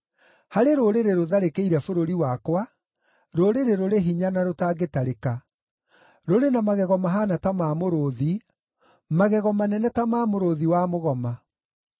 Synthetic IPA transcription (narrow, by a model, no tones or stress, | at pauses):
haɾeɾoɾeɾeɾoðaɾekeiɾɛfoɾoɾiwakwa | ɾoɾeɾeɾoɾeɦiɲanaɾotaːɡetaɾeka | ɾoɾenamaɣɛɣɔmaɦaːnatamaːmoɾoði | maɣɛɣɔmanɛnɛtamaːmoɾoðiwamoɣɔma